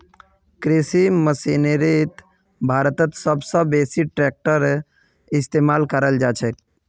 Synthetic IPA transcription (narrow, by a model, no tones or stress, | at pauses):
kɾisiməsinɾit̪ | bʱaːɾət̪ət̪səbsəbeːsiʈɾek̚ʈəɾ | ɪst̪eːmaːlkəɾəld͡ʒaːt͡ʃʰɛ